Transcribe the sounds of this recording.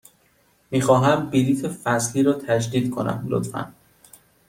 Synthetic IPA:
miːxɒːɦæmbiliːt̪ʰefæsliːɾɒːt̪ʰæd͡ʒd̪iːd̪kʰo̞næ̰mlo̰t̪fæ̰n

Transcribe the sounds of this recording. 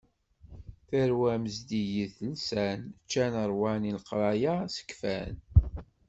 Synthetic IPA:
θəɾwæməzd̪ijiθəlsænt͡ʃːænəɾˤwænilqɾˤɑjasə̥kfæn

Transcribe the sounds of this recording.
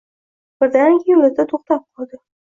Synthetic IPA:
b̥ɪɾd̪anjʊlɪd̪at̪ʰoχt̪ap̚qʰɒlˠd̪ɪ

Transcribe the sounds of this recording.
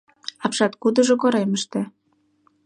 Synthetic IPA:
ɑpʃɑt̪̚kud̪ɤ̆ʒŏkoɾeməʃt̪ĕ

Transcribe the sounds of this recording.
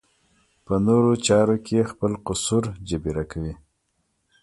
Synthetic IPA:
pənoɾot͡ʃɑɾokʰexpəlqʊsuɾd͡ʒabiɾakawi

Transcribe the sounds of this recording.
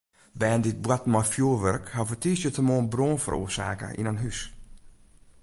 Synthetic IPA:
bɛːəndɪt̚bwatmɔfjuːʋœrkhafətʰiːsjətʰəmoːnbroːnfə̰ro̰ːəsa̰ːkə̰ʔḭnanɦys

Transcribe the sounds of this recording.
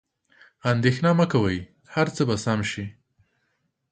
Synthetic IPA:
and̪exnɑmakawəj | haɾt͡səbasamʃi

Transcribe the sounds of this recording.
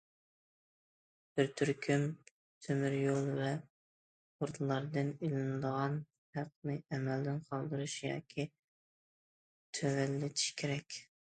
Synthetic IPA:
b̥ɪɾt̪ʰyɾkʲʰym | t̪ʰømyɾjolˠvɛ | oɾt̪ʰlˠɑɾd̪ɨnilɪnɨd̪əʁɑn | hæq̚nɨɛmɛld̪ɪnqʰɑlˠd̪ɨɾuʃjɑ̰ːkʲʰi | t̪ʰøwɛlːɪt̪ʰi̥ʃkʲʰeɾɛkʲ

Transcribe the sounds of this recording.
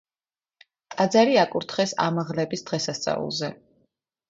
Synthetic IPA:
t̪ʼad̪zaɾiakʼuɾt̪ʰχɛsa̰maʁlɛbisd̪̥ʁɛsast̪sʼa̰vṵlˠzɛ

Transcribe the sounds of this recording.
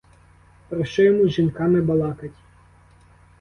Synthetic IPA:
pɾɪʃt͡ʃɔjɔmuʒinkɑmɪbɐlˠɑkɐtʲ

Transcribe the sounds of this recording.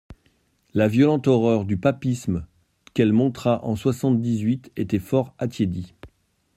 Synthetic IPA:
lavjɔlɑ̃t̪ɔʁœʁd̪ypapism | kɛlmɔ̃t̪χaʔɑ̃swasɑ̃t̪̚d̪izɥit̪et̪ɛfɔʁat̪jed̪i

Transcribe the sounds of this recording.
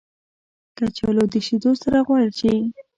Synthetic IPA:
kat͡ʃalod̪əʃid̪osaɾaɣwɑɽit͡ʃe

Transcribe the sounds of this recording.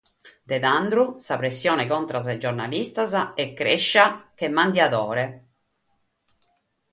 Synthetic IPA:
d̪ed̪and̪ɾusapɾesːjɔːnekɔnt̪ɾaz̬ad͡ʒoɾnalist̪azaɛkːɾeʃːak̟emːand̪jad̪ɔːɾe

